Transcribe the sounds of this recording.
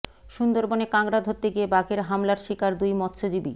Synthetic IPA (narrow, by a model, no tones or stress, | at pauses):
ʃund̪oɾbonekaŋɡɾad̪ʱɦot̪ːeɡiebakeɾɦamlaɾʃikaɾd̪ujmɔt̪ʃʰod͡ʑibḭ